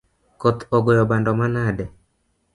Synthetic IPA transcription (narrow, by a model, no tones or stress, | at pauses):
kot̪oɡojɔbandɔmanadɛ